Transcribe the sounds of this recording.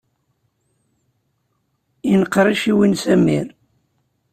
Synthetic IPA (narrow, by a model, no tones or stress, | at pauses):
inəqːɾˤiʃiwinsæmḭɾ